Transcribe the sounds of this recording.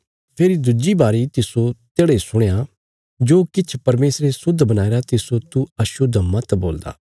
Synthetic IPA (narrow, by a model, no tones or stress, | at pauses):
pʰeːɾid̪ʊd͡ʒibaːɾit̪ɪsot̪eːɽesʊɽeja | d͡ʒoːkɪt͡ʃʰpɐɾmeːsɾesʊd̪ʱbɐnaːeɾat̪ɪsot̪uɐʃʊd̪mɐt̪bo̰ːld̪a̰ː